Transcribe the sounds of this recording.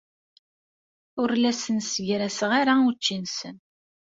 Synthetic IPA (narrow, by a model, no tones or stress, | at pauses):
ʊɾlæsənsʝɾæsəʁaɾaut͡ʃːinsən